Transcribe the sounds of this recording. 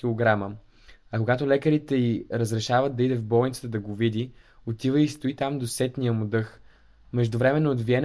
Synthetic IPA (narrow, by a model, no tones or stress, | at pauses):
ilˠoɡɾamə | ɐkoɡat̪olɛkəɾit̪ɛiɾəzɾɛʃavət̪̚d̪ɐid̪ɛvbɔlˠnit̪sət̪əd̪ɐɡovid̪i | ot̪ivəist̪oit̪amd̪osɛt̪nijəmʊd̪ɤx | mɛʒd̪ʊvɾɛmɛnːoːd̪viɛn